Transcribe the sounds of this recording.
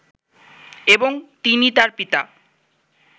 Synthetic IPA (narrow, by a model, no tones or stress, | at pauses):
eboŋt̪init̪aɾpit̪a̰